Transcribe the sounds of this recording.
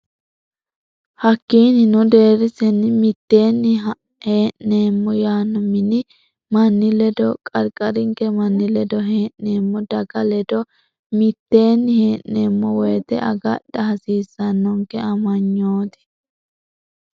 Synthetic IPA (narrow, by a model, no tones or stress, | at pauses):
hɐkːiːnɪnɔd̪e̞ːɾɪsɛnːɪmɪt̪ːe̞ːnːɪ | heːʔne̞ːmːɔjaːnːɔmɪnɪ | mɐnːɪlɛd̪ɔkʼɐɾkʼɐɾɪŋkɛmɐnːɪlɛd̪ɔɦeːʔne̞ːmːɔd̪ɐɡɐlɛd̪ɔ | mɪt̪ːe̞ːnːɪheːʔneːmːɔwɔjt̪ɛ̰ʔɐ̰ɡɐɗːɐhɐsiːsːɐnːɔŋkɛɐmɐɲːoːt̪ɪ̥